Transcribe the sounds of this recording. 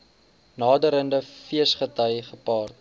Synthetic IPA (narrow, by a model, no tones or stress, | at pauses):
nɑːdəɾəndəfiəsχətəjχəpɑːrt